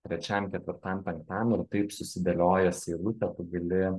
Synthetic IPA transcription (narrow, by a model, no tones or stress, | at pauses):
t̪ʲɾʲɛt͡ʃʲɛmkʲɛt̪ʲʋʲɪɾt̪ɐmʲpʲɛŋkt̪ɑmɪrt̪ɐɪpsʊsʲɪd̪ʲɐlʲoːjɛsʲɪɪɾʊt̪ʲɛp̪ʊɡʲɐlʲɪ